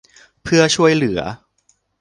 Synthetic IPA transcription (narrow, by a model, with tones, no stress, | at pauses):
pʰɯ˥˩ɐt͡ɕʰu˥˩əjlɯ˩˦ɐ̰